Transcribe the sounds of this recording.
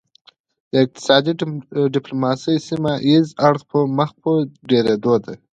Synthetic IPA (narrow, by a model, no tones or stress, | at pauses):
d̪̥əɪq̚t̪ɪ̥sɑd̪iɖɪplomɑsəjsimaʔizaɽxpəməxpəɖeɾed̪od̪a